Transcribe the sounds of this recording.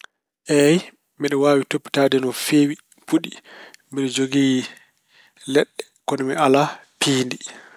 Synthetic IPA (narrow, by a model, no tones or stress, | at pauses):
ʔɛj | mɛɗɔwaːwitopːi̥tadɛnɔfewi | puɗimɛɗɔd͡ʒoɡiː | lɛɗːɛ̥ | kɔnɛmɛalapʰiːndi